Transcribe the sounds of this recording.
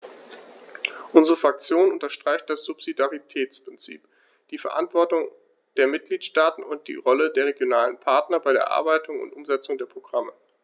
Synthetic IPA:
ʔʊnzəʁəfʁ̥ak̚t͡sjoːnʊntɐʃtʁ̥aɪçt̚d̥asz̥ʊpz̥idaʁitʰɛːt͡spʁ̥ɪnt͡sḭːp | d̥iːfɛɐʔantv̥ɔɐtʊŋ | d̥eːɐmɪt̚ɡ̥liːtʃtaːtn̩ʊnt̚d̥ḭːʁɔlədeːɐʁeɡjonaːlənpʰaɐtnɐbaɪɾeːɐʔa̰ɐbaɪtʊŋʊ̰ntʔʊmzɛt͡sʊŋdeːɐpʁ̥oɡ̥ʁamə

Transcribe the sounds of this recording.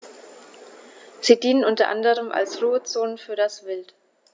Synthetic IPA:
z̥iːdiːnənʔʊntɐ̰ʔa̰ndəʁəmʔa̰lsʁuːət͡soːnənfyːɐdasv̥ɪlt

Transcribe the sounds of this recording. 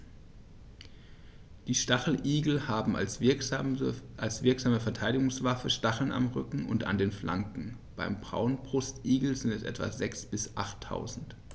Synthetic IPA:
d̥iːʃtaχl̩ʔiːɡl̩haːbm̩s | alsv̥ɪɐkz̥aːməfɛɐtʰaɪɾɪɡʊŋsv̥afəʃtaχl̩na̰mʁʏkŋ̩ʊ̰nta̰ndeːnfla̰ŋkŋ̩ | b̥aɪmbʁa̰ʊənbʁʊstʔiːɡl̩zɪntɛsʔɛ̰tv̥a̰zɛksb̥ɪsʔa̰χtʰːa̰ʊzn̩t

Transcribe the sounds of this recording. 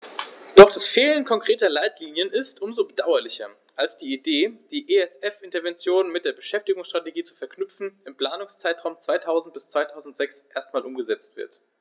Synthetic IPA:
d̥ɔχd̥asfeːlənkʰɔŋkʁ̥eːtɐlaɪtliːnjənɪstʔʊmzoːbədaʊɐlɪçɐ | ʔalsd̥iːideːd̥iːʔeɛsɛfɪntɐvɛnt͡sjoːnmɪt̚d̥eːɐbəʃɛftɪɡʊŋsʃtʁ̥ateɡiːt͡su̥fɛɐknʏp͡fn̩ɪmpl̥aːnʊŋst͡saɪtʁ̥aʊmt͡sv̥aɪtʰaʊzn̩t̚b̥ɪst͡sv̥aɪtʰaʊzn̩tz̥ɛksʔeːɐstmaːlʔʊmɡəzɛt͡stv̥ɪ̰ɐt

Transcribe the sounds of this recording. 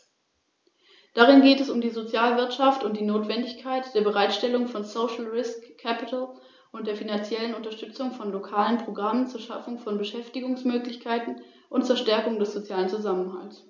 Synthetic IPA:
d̥aʁ̞ɪnɡeːtɛsʊmdiːzot͡sjaːlvɪɐtʃaftʊntd̥iːnoːtv̥ɛndɪçkʰaɪtd̥eːɐbəʁaɪtʃtɛlʊŋfɔnsoʃl̩ʁɪskʰːɛpɪtl̩ | ʔʊntd̥eːɐfinant͡sjɛlənʊntɐʃtʏt͡sʊŋfɔnlokʰaːlənpʁ̥oɡʁamənt͡suːɐʃa̰fʊŋfɔnbəʃɛftɪɡʊŋsmøːklɪçkʰaɪtn̩ | ʔʊntt͡suːɐʃtɛɐkʊŋdɛsz̥ot͡sjaːlənt͡suzamənha̰lts

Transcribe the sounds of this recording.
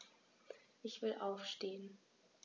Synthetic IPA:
ʔɪçv̥ɪlʔaʊfʃteːən

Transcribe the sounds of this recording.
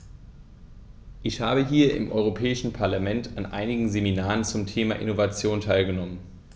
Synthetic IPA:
ʔɪçhaːbəɦiːɐʔɪ̰mʔɔʏʁopʰɛːɪʃn̩pʰaɐlamɛntʰanʔa̰ɪnɪɡŋ̩zeminaːʁənt͡sʊmtʰeːmaʔɪ̰novat͡sjoːntʰaɪlɡənɔmən

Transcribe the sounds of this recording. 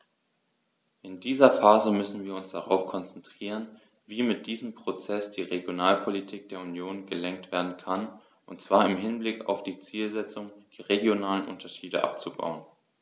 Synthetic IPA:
ʔɪndiːzɐfaːzəmʏsn̩viːɐʊnsd̥aʁ̞aʊfkʰɔnt͡sɛntʁ̥iːʁ̞ən | viːmɪt̚d̥iːzəmpʁ̥ot͡sɛsd̥iːʁeɡjonaːlpʰolitʰiːk̚d̥eːɐunjoːnɡəlɛŋk̚tv̥eːɐdn̩kʰan | ʔʊntt͡sv̥aːɐɪmɦɪnblɪka̰ʊfd̥iːt͡siːlzɛt͡sʊŋd̥eːɐʁeɡjonaːlənʔʊ̰ntɐʃiːdə̰ʔa̰p̚t͡suba̰ʊən

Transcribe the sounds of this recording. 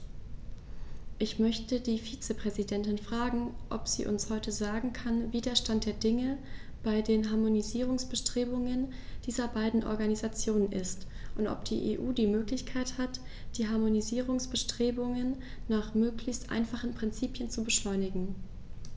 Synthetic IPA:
ʔɪçmœçtədiːfiːt͡səpʁ̥ɛzidɛntɪnfʁ̥aːɡŋ̩ʔɔ̰pz̥ḭːʔʊ̰nshɔʏtəzaːɡŋ̩kʰanviːdɐɐʃtant̚d̥eːɐdɪŋəb̥aɪdeːnɦaɐmoniziːʁ̞ʊŋsb̥əʃtʁ̥eːbʊŋənd̥iːzɐbaɪdn̩ʔɔ̰ɐɡanizat͡sjoːnənʔɪstʔʊntʔɔ̰p̚d̥ḭːʔḛːʔuːdiːmøːklɪçkʰaɪthat | d̥iːɦaɐmoniziːʁ̞ʊŋsb̥əʃtʁ̥eːbʊŋənːaːχmøːklɪçstʔa̰ɪnfaχn̩pʁ̥ɪnt͡siːpjənt͡subəʃlɔʏnɪɡŋ̩

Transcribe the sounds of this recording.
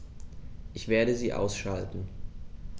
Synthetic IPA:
ʔɪçv̥eːɐɾəziːʔa̰ʊsʃaltn̩

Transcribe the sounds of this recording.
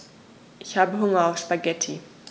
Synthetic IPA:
ʔɪçhaːbəɦʊŋɐaʊfʃpaɡɛtʰi

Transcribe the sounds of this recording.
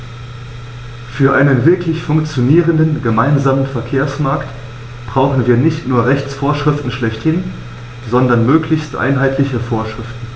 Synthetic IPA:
fyːɐʔaɪnənvɪɐklɪçfʊŋkt͡sjoniːʁəndənɡəmaɪnzaːmənfɛɐkʰeːɐsmaɐkt | b̥ʁaʊxn̩viːɐnɪçtnuːɐʁɛçt͡sfoːɐʃʁ̥ɪftn̩ʃlɛçthɪn | zɔndɐnmøːklɪçstʔa̰ɪnɦaɪtʰlɪçəfoːɐʃʁ̥ɪftn̩

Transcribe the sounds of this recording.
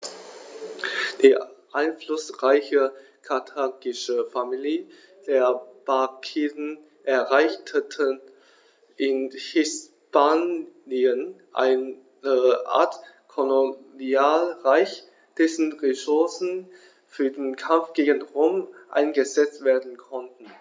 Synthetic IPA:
d̥iːʔaɪnflʊsʁaɪçə | kʰatʰaːkɪʃəfamili | d̥eːɐb̥akʰeːdn̩ | ʔɛɐʁaɪçtʰətʰə | ʔɪnhɪs | pʰaːniən | ʔa̰ɪn | əʔa̰ːɐt | kʰoloniaːlʁaɪç | d̥ɛsn̩ʁesʊɐsn̩ | fyːɐdeːnkʰamfɡ̥eːɡən̩ʁoːmʔa̰ɪnɡəzɛt͡stv̥eːɐdn̩kʰɔntn̩

